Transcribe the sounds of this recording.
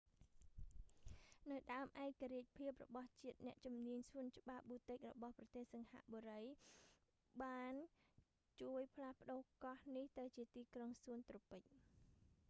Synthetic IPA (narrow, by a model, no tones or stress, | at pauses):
nɨwɗaəmʔaɛkːaɾiəc̚pʰiəp̚rɔ̰ɓɑht͡ɕiət̪̚nɛ̆əʔt͡ɕumniəɲsʰuənt͡ɕə̆ɓap̚ɓuːt̪ɨc̚rɔ̰ɓɑhprɑt̪eːhsɑŋha̰ʔɓoːɾəj | ɓaːn | t͡ɕuəjpʰlahpə̆ɗoːkɑhniht̪ɨwt͡ɕiət̪iːkroŋsuənt̪ropɨc̚